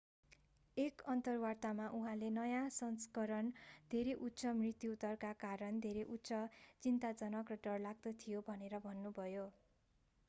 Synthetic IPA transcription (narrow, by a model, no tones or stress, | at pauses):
ekʌnt̪ʌrwart̪amaʔuɦãlenʌjãsʌnskʌɾʌnd̪ʱeɾeʔut̪ːsʌmrit̪jut̪ʌrkakaɾʌnd̪ʱeɾeʔut̪ːsʌt͡sint̪ad͡zʌnʌkrʌɖʌrlaɡ̚d̪ʌt̪ʰijobʱʌneɾʌbʱʌnːubʱʌjo